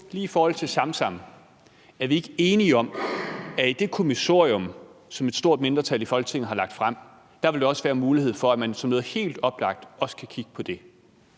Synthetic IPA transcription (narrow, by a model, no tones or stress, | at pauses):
liːifɒːhɒ̽l̰t͡sʰe̝lsɑ̈msɑ̈m̰ | æɐʋie̝ɡ̥əe̝ːniɒ̽mæid̥e̝kʰo̝miso̝ɐ̰iɔ̽msɒ̽me̝d̥sd̥o̝ɐ̰d̥̚me̝nd̥ʁɐt͡sʰælifɒ̽lɡ̥ət͡sʰe̝ŋð̩ɦhɑ̈lɑ̈ɡ̥̚d̥fʁam̰ | d̥ɑ̈ʋe̝ld̥eɒ̽sʋæːɐmuːlihe̝ð̞̰ˠfɒ̽æmænsɒ̽mnɔ̽ːð̩ˠhe̝̰ːld̥ɒ̽b̥lɑ̈ɡ̥̚d̥ɒ̽sə̥kʰækʰiɡ̥ə̥pʰɒ̽d̥e̝